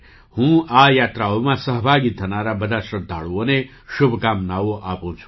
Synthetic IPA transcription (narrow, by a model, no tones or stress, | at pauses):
hũːajat̪ɾaomãsəɦbʱaɡit̪ʰːənaɾabəd̪aʃɾəd̪ʱa̰ɭuone | ʃʊbʱkamnaʋoʔapũt͡ʃʰu̥